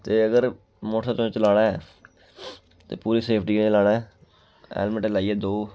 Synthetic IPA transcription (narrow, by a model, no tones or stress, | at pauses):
t̪eːəɡəɾ | moːʈʰaːt͡ʃõt͡ʃəlaːɽaːɛː | t̪ḛːpuːɾiːseːpʰʈiːkːnlaːnaːɦɛː | ɛ̰ːlmə̃ʈelaːiɛːd̪oː